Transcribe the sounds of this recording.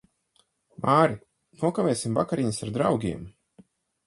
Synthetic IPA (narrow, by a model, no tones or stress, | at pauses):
maːɾi | nuɔkavʲɛːsʲimvakaɾiɲisaɾd̪ɾawɡʲiɛm